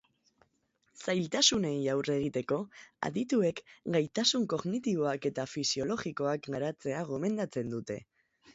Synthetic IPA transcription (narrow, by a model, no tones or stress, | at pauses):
sajlt̪asune̞jawre̞ɣ̞it̪e̞ko̞a̰ðit̪ue̞kɡajt̪asuŋko̞ɣnit̪iβo̞ake̞t̪afisio̞lo̞ɣiko̞akɡaɾat͡se̞aɣo̞me̞nd̪at͡se̞nd̪ut̪e̞